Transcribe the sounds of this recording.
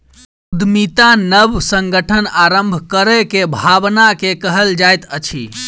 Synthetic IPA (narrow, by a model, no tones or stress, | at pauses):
s | ud̪ʱmit̪anəbsəŋɡəʈʰənaɾəmbʱkəɾəkebʱabnakekəɦəld͡ʒajt̪ət͡ʃʰḭ